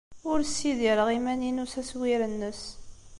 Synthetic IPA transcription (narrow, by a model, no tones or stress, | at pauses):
ʊɾsːiðiɾəʁimæninusæswiɾənːəs